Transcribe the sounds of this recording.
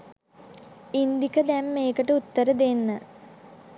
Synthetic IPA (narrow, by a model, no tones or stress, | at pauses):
ind̪ikəd̪æmːeːkəʈəut̪ːəɾəd̪enːə